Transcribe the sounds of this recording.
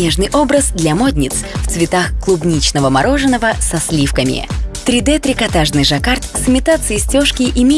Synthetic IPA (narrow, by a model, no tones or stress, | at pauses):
eʐnɨjʔobɾəsd̪lʲɐmod̪ʲnʲɪt̪sft̪svʲɪt̪axklˠʊbnʲit͡ɕnəvəmaɾo̞ʐɨnːəvəsɐsʲlʲifkəmʲɪ̰t̪ɾʲɪd̪ɛt̪ɾʲɪkɐt̪aʐnɨjʐɐkart̪sɨmʲɪt̪at̪sɨjɪsʲtʲoʂkʲɪʔɪmʲe